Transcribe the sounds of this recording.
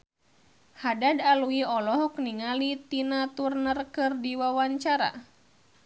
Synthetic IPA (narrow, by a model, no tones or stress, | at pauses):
hadadaluiɔlɔɦɔkniŋalit̪inat̪urnərkɨrdiwawaɲt͡ʃaɾa̰